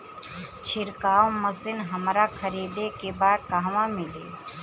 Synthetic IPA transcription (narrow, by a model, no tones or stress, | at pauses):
t͡ʃʰɪɾkaːõməsɪnɦəmɾakʰəɾiːd̪ekebaːd̪̚kaɦʋãmɪleː